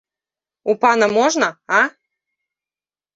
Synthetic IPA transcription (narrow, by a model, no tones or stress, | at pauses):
upanɐmɔʐnɐa